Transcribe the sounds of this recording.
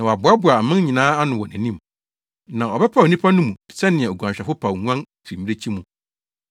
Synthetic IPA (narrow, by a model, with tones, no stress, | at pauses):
nã˨ɔ˨a˨bʊ˨a˦bʊ˨a˨mɪ̃˦n˦ɲĩ˨nãː˦a˦nʊ̃˨wɔ˨næ̃˨nĩ˦m | nã˨ɔ˨bɛ˦pʰa˦˨o˨nĩ˦pʰa˦nʊ̃˦mũ˨sɛ˦nɪ̃˨ɛ̃˨o˨ɡã˨ɕᶣɛ˨fʊ˦pʰa˨wŋu˦ã˦n | fi˨mi˦ɾe˦t͡ɕʰi˦mũ˨